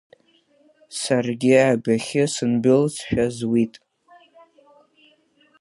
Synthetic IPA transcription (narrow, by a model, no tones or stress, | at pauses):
sarɡʲɪʕabaχʲɪsɨnbɪlsʰħᶣazwitʼ